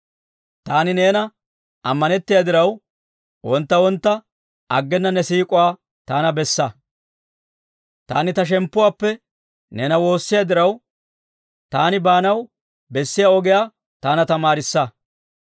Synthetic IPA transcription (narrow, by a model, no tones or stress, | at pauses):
t̪aːnɪneːnɐ | ɐmːɐnɛt̪ːɪjaːd̪ɪɾɐw | wɔnt̪ːɐwɔnt̪ːɐ | ʔɐɡːɛnːɐnːɛsiːkʼʊwaː | t̪aːnɐbɛsːɐ | t̪a̰ːnɪt̪ɐʃ̬ɛmpːʊwaːpːɛ | nɛːnɐwo̞ːsːɪjad̪ɪɾɐw | t̪aːnɪbaːnɐw | bɛsːɪjaːɔɡɪjaː | t̪aːnɐt̪ɐmaːɾɪsːɐ